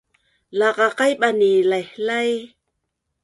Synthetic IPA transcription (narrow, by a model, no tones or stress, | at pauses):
laqaqajɓanilahlaj